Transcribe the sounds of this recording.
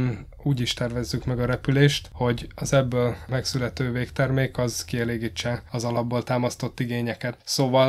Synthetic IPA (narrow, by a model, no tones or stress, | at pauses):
n | uːɟiʃt̪ɛrvɛzːykmɛɡɒɾɛpyleːʃt̪ho̞ɟɒzɛbːøːlmɛksylɛt̪øːveːkt̪ɛrmeːkɒzkiɛleːɡiːt͡ʃːɛɒzɒlɒbːoːlt̪aːmɒst̪o̞t̪ːiɡeːɲɛkɛt̪soːvɒl